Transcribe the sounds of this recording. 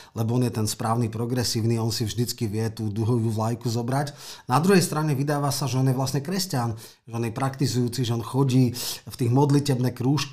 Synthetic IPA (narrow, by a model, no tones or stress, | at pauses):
lɛbɔɔnjɛt̪ɛnspɾaːʊnipɾɔɡɾɛsiːʊniɔnsivʒd̪it͡skiʋɪɛt̪uːd̪uɦɔʋuːʋlajkuzɔbɾacnad̪ɾuɦɛjst̪ɾaɲɛʋid̪aːʋasaʒɛɔnjɛʋlasɲɛkɾɛscan | ʒɛɔnjɛpɾakt̪izujuːt͡siʒɛɔnxɔɟiːft̪iːɣmɔd̪licɛbnɛkɾuːʃk